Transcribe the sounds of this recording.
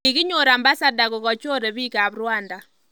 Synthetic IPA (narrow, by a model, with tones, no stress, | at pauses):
i˨ɣi˦ɲo˨ɾa˨mba˦sa˦da˨ɣɔ˨ɣɔ˨t͡ʃo˦ɾe˨βi˦ka˨βɾwanda˨